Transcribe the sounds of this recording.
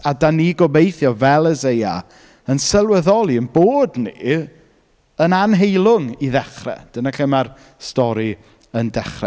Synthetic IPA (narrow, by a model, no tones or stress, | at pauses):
adaniɡɔbejθjɔvɛlˠəzeja̰ | ənsəlˠwəðɔlˠiənboːdnḭ | ənanɦejlˠʊŋiðɛχrɛ̰d̥ənaɬemar | stɔɾi | əndɛχrɛ̰